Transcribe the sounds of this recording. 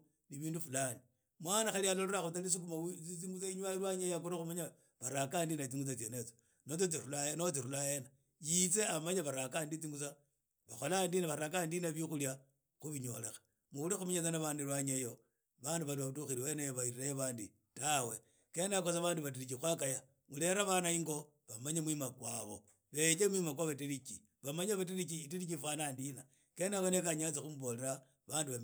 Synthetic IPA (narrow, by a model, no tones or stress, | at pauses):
niβiːndufulani | mwanaxalialoloɾaxut͡salis̬uk̬umat͡sit͡siŋɡut͡saiɲwalwaɲejakoɾaxumaɲa | βaɾakandinat͡siŋɡut͡sat͡senet͡so̥ | not͡sot͡s̬iɾulaenot͡siɾulajena | jit͡seamaɲaβaɾakandit͡siŋɡut͡sa | βaxolandinaβaɾak̬andinaβixulja | xuβiɲolexḁ | muulixumiɲet͡sanaβandilwaɲejo̞ | βanduβaliautuxiɾiwenejoβairiɾajeβaːndi | tawe̞ | kenakosaβaːnduβat̬iɾit͡ʃixwakaja | mule̞ɾaβanaiŋɡo̞ | βamaɲemwimakwaβo̰ | βet͡ʃemwimak̬waβatiɾit͡ʃi | βamaɲaβat̬iɾikiːtiɾikifanaːndina | kenawonekaɲat͡saxumuβoleɾa | βaːnduβa